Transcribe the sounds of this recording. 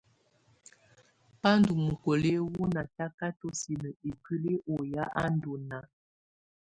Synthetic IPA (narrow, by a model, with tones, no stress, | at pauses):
pa˦n˦du˨mu˨ko˨le˦wu˦na˨ta˦ka˦to˦si˨nə˨e˨ki˦li˦ʔo˨ja˦ʔa˦n˦du˨na˨